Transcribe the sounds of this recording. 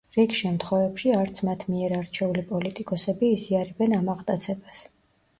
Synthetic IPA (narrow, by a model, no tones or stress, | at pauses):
ɾikʃɛmt̪ʰχwɛvɛpʃiaɾt̪sʰmat̪ʰmiɛɾaɾt͡ʃʰɛulipʼɔlit̪ʼikʼɔsɛbiːziaɾɛbɛnamaʁt̪ʼat̪sʰɛbas